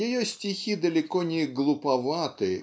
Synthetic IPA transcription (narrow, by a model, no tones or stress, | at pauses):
jɪjosʲtʲɪxʲid̪əlʲɪkonʲɪɡlˠʊpɐvat̪ɨ